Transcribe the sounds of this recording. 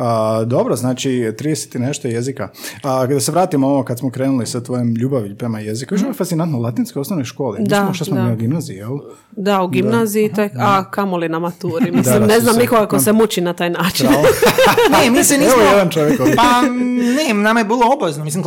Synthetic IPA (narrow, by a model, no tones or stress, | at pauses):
əd̪o̞bɾoznaːt͡ʃit̪ɾiːd̪ese̥t̪jineʃt̪ojezikakad̪aseʋɾaːt̪imoookad̪smokɾeːnulisat̪ʋojomʎuːbaʋiʎpɾemajezikaʋiʃofat̪inant̪noulat̪inskojo̞snoʋnojʃko̞ːlimislaimot̪assmoɡimnaːziijelˠ | d̪auɡimnaːziit̪ekakamolinamat̪uːɾimid̪imneznamnikoɡakosemut͡ʃinat̪aːjnaːt͡ʃin | nemisinisomojjed̪ant͡ʃoʋjekopanenamajebiːlˠoobaʋeznomis̬im